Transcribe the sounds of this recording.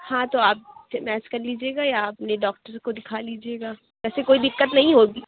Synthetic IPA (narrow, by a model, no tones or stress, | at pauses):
hãt̪oaːp̚mɛːt͡ʃkɐɾliːd͡ʒieːɡajaːpneɖɔːk̚ʈəɾkod̪ɪkʰaliːd͡ʒieːɡaː | ʋɛːsekoːid̪ɪkːət̪nɐɦĩɦoːɡiː